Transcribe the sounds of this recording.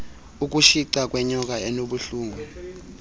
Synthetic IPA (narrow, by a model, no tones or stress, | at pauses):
uk̬uʃiǀak̬wɛɲɔk̬aɛnoɓuɬuːŋɡʱu